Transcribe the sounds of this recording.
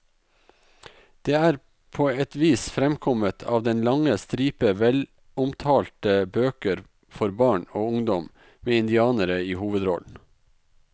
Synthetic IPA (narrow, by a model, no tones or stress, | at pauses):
d̪̥eːæːɾ | pʰoːɛt̪ʋiːsfɾɛmkʰɔmət̪ʰɑ̰ːʋd̪ɛnlɑŋəst̪ɾiːpəʋɛl | ʊmt̪ʰɑːlt̪əbøːkəɾ | fɔɾbɑːɳoːʊŋd̪ɔm | meːɪnd̪ɪɑːnəɾəiːhuːʋəd̪ɾɔ̰ln̩